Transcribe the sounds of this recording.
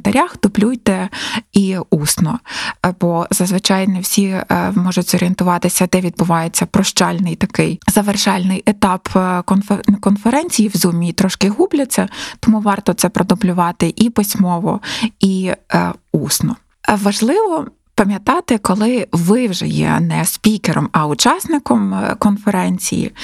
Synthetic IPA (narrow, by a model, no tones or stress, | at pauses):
t̪ɐɾʲaxd̪ʊblʲujt̪ɛiusnɔbɔzɐzʋɪt͡ʃɑjnɛwsʲimɔʒʊtʲzɔɾʲent̪ʊʋɑt̪ɪsʲɐd̪ɛʋʲid̪bʊʋɑjet͡sʲːɐpɾɔʃt͡ʃɑlʲnɪjt̪ɐkɪjzɐʋerʃɑlʲnɪjʔet̪ɑpkɔnkɔnfeɾɛnʲt͡sʲijiwzumʲiit̪ɾɔʃkɪɦublʲɐt͡sʲːɐt̪ɔmuʋɑrt̪ɔt̪sɛpɾʔɔd̪ʊblʲʊʋɑt̪ɪʔipɪsʲmɔʋɔi | usnɔ | ʋɐʒlˠɪʋɔ | pɐmʲjɐt̪ɑt̪ɪkɔlˠɪʋɪwʒɛ̰jɛ̰nɛspʲikeɾɔmɐʊt͡ʃɑsnɪkɔmkɔnfeɾɛnʲt͡sʲḭjḭ